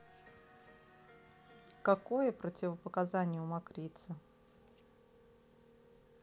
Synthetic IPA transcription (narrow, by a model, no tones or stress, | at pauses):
kɐkojəpɾətʲɪvəpəkazanʲɪjəʊmakɾʲit̪sə